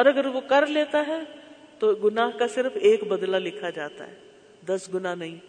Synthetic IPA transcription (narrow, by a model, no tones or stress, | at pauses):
ɔːɾɐɡəɾʋokɐɾleːt̪aɦɛ | t̪oɡʊnaɦkasɪɾfʰeːkbɐd̪lalɪkʰad͡ʒaːt̪a̰ɦɛː | d̪ɐsɡʊnanɐɦĩ